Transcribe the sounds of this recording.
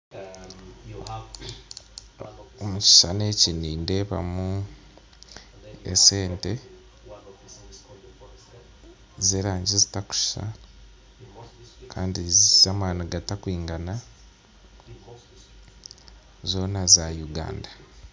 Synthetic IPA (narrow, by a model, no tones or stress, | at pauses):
omuci̥ʃane̞ːciniːnde̞ːβa̰mu | ḛse̞ːnte | zeːɾaːɲɟizitaku̥ʃa̰ | kʰaːndizamaːnaɡatakwiːŋɡana | zo̞ːnazajuɡa̰ːnda